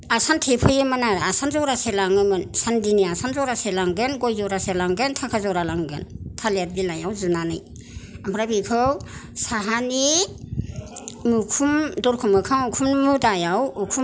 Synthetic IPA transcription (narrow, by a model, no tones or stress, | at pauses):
asantʰepʰɯjɯmɯnaasanzɔɾaselaŋɯmɯnsandiniasʰanzɔɾaselaŋɡɯnɡɔjzɔɾaselaŋɡɯntʰakʰazɔɾalaŋɡɯ̰ntʰalat̚bilajawzunanɯ̰j | ampʰɾabikʰɯwsaɦani | mukʰumdɔɾkʰumɯkʰaŋukʰummudajawukʰum